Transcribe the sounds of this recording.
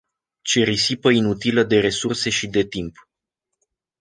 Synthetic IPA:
t͡ʃe̞ɾisipəinut̪iləd̪e̞ɾe̞surse̞ʃid̪e̞t̪imp

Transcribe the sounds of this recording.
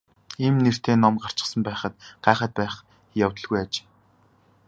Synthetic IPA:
emner̥t̪eːnɔmɢar̥t͡ɕɪ̆sə̆mpæːχə̆t̪ɢ̥æːχə̆t̪̚pæːχ | jawt̪ə̆ɮɣujat͡ɕː

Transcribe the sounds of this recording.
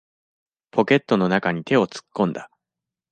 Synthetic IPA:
pʰo̞kʲe̞t̪ːo̞no̞nakaɲ̟it̪e̞o̞t͡sɨ̥kːõ̞nd̪a

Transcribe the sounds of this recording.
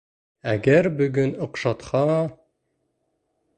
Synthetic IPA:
æɡæɾbɵ̆ɡɵnŏqʃɑt̪hɑ

